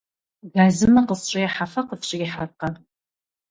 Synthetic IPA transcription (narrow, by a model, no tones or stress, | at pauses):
ɡaːzɨmɐqəsɕʼɪjɛħafɐqəfɕʼɪɪħarqɐ